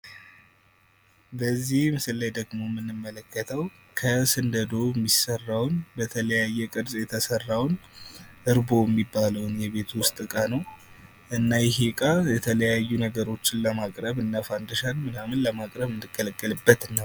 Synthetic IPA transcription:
bəzːihmɨsɨlːajd̪əɡmo̞ɛmːɨnːɨmːələkːət̪ʰəw | kʰəsɨnd̪əd̪o̞ɛmːisərːawnbət̪ʰələjajːɛkʼɨɾsʼjɛt̪ʰəsərːawnʔɨɾbo̞jɛmːibːaləwnjɛβe̞t̪wʊst̪ʼɨkʼanəw | ʔɨnːajɛɦekʼajɛt̪ʰələjajːunəɡəɾo̞t͡ʃːɪnləmakʼɾəβɨnːafand̪əʃanmɨnamɨnləmakʼɾəβɨnd̪ɨkʼːələkʼːəlɨbːət̪nːəw

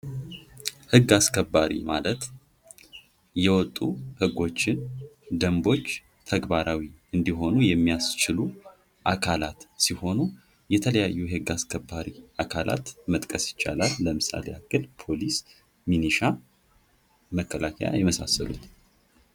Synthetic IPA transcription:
hɨɡːaskʰəbːaɾḭmalət̪ | jɛwɔt̪ʼːuhɨɡːo̞t͡ʃːɪnd̪əmbo̞t͡ʃː | t̪ʰəɡbaɾawiɨnd̪iɦo̞nujɛmːijast͡ʃɪlu | ʔakʰalat̪siho̞nu | jɛt̪ʰələjajːuhɨɡːaskʰəbːaɾiʔakʰalʔa̰t̪mət̪ʼkʼəsjɪ̥t͡ʃːa̰lalːəmɨsa̰lḛakːɨlpʰo̞lis | miniʃa | məkʰːəlakʰəja̰jɛməsa̰sːəlṵt̪

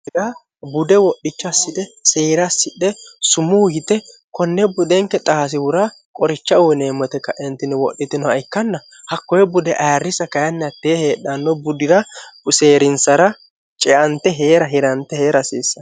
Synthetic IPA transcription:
dɐ | bʊd̪ɛwɔɗːɪt͡ʃːɔɐsːɪd̪ɛseːɾɐsːɪᶑːɛsʊmuhɪt̪ɛkɔnːɛbʊd̪ɛŋkːɛt̪ʼaːs̬ɪwʊɾa | kʼɔɾɪt͡ʃːɐɔneːmːɔt̪ɛkːɐʔɛnt̪ːɪnɛwɔɗːɪt̪ɪnɔɐɪkːɐnːɐ | hɐkːɔjɛbʊd̪ɛʔarːɪsɐkɐjɐnːɛɐt̪ːɛɛheːɗːɐnːɔbʊd̪ɪɾɐseːɾɪnsɐɾɐ | t͡ʃʼɛʔɐnt̪ːɛɦeːɾɐɦɪɾɐnt̪ːɛheːɾɐsiːsːɐ

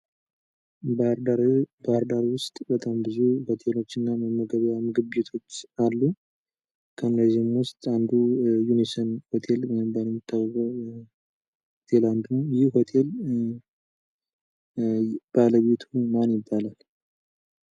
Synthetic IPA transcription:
baɾdaɾbaɾd̪aɾwʊst̪ʼbət̪ʼambɨzuho̞t̪ʰe̞lo̞t͡ʃːɨnːaməmːəɡəβjamɨɡɨbːet̪ʰo̞t͡ʃːalːu | kʰənd̪əzimwʊst̪ʼand̪ujunisənho̞t̪ʰe̞lwɔjɪmbaləmt̪ʰːawzə | hot̪ʰe̞land̪nəwjɪhho̞t̪ʰe̞l | b̥aləβe̞t̪ʰumanjɪbːalal

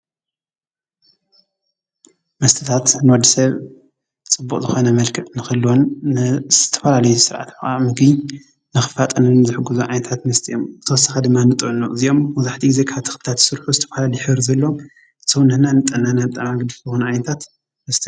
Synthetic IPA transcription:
mɐst̪ʰɨ̥t̪ʰat̪nɨwɔd̪ːisɐβ | t͡sʼɨbːukʼzɨxo̞nɐmɐlkʰɐʔnɨxɨlːwonzɨ̥t̪ʰɐfɐlalɐjusɨɾʕa̰t̪mɨxa̰mɨɡɨ | nɨxɨfat̪ʼɐnɨnzɨħɨɡuzuʕajnɐt̪ʰat̪mɐst̪ʰiʔo̞mbɨt̪ʰɐwɐsɐxad̪ɨmːanɨt̪ʼɨʔnuʔɨziʔo̞mːɔzaħt̪ʰiɡize̞kʰaβt̪ʰɨ̥xɨb̪t̪ʰat̪sɨɾħuzɨt̪ʰɐ̥fɐlalɐjħɨβɾzɐlːoom | sɐwnɐnanɨt̪ʼːɐnanabɨt̪ʼamaɡɨd̪ɨzɨxunʕajnɐt̪ʰat̪ | mɐst̪ʰi

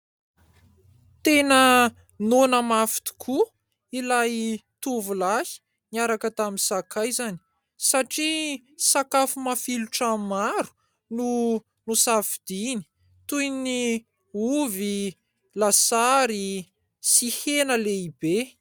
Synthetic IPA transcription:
t̪enə | nonəmafi̥t̪u̥kʰu | ilajt̪uvulahi̥ | niaɾakət̪aminsakajzani̥ | saʈ͡ʂi | sakafumafiluʈ͡ʂammaɾu̥ | nu | nusafid̪̥ini̥ | t̪ujni | uvi | lasaɾi | sihenəleibe

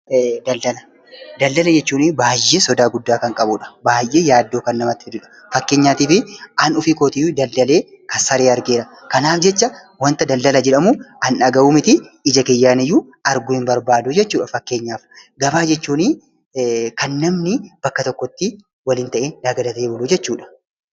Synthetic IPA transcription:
d̪ɐld̪ɐlɐ | d̪ɐld̪ɐlɐd͡ʒɛt͡ʃːuːnɪbaːjːe̞ːsɔd̪aːɡʊd̪ːaːkɐŋkʼɐbʊᶑɐ̥baːjʔːeːjaːd̪ːo̞ːkɐnːɐmɐt̪ːɪd̪ʊᶑɐ̥ | fɐkːe̞ːɲːaːt̪iːfɪʔɐnʊfikoːt̪ɪjʊd̪ɐld̪ɐle̞ː | kɐsɐɾeːɐɾɡeːɾɐ | kɐnaːfd͡ʒɛt͡ʃːɐ | wɐnt̪ɐd̪ɐlːɐlɐd͡ʒɛᶑɐmʊɐnɐɡɐuːmɪt̪ɪɪd͡ʒɐkejːaːnɛjːʊ | ɐɾɡʊhɪmbɐɾbaːd̪ʊd͡ʒɛt͡ʃːuːᶑɐfɐkːe̞ːɲːaːfɡɐbaːd͡ʒɛt͡ʃːuːnɪ | kɐnːɐmnɪb̥ɐkːɐt̪ɔkːɔt̪ːɪ | wɐlɪnt̪ɐʔeːd̪ɐɡɐd̪ɐt̪eːbɔlʊd͡ʒɛt͡ʃːuːᶑɐ̥

